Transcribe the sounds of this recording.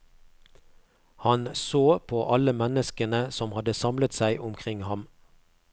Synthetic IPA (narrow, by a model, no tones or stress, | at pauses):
hɑnsoːpʰoːʔɑləmɛnəskənəsɔmhɑd̪əsɑmlət̪sæɪʔʊmkʰʁɪŋhɑm